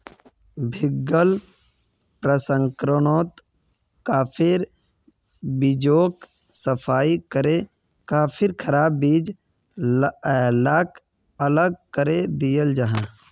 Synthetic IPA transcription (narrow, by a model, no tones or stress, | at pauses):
bʱɪɡːəl | pɾəsəŋkɾonoːt̪ | kaːpʰɪɾ | bɪd͡ʒoːk | səpʰaːikəɾe | kaːpʰɪɾkʰəɾaːbːiːd͡ʒ | laːk | ələɡ̚kəɾed̪ijəld͡ʒaɦãː